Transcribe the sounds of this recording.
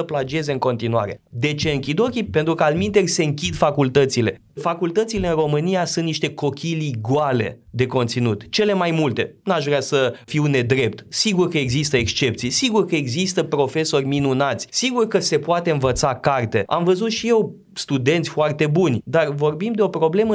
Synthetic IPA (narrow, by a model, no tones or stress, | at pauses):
əplad͡ʒe̞zeɨŋko̞nt̪inua̰ɾe̞̰d̪e̞t͡ʃe̞ɨŋkʲid̪o̞kʲipe̞nt̪ɾukəalmint̪e̞ɾʲse̞ɨŋkʲid̪fakult̪ət̪sile̞ | fakult̪ət̪sile̞ɨnro̞mɨnijasũnt̪niʃt̪e̞ko̞kʲʰiliɡwale̞̰d̪e̞ko̞nt̪sinut̪t͡ʃe̞le̞majmult̪e̞naʃvɾeasəfiwne̞d̪ɾe̞p̚t̪siɡurkəe̞ɡzist̪əe̞kst͡ʃe̞pt̪sijsiɡurkəe̞ɡzist̪əpɾo̞fe̞so̞rʲminunat̪sʲsiɡurkəse̞poat̪e̞ɨnvət̪sakart̪e̞a̰mvəzut̪ʃije̞w | st̪ud̪e̞nt̪sʲfoart̪e̞bunʲd̪arvo̞rbimd̪e̞o̞pɾo̞ble̞mə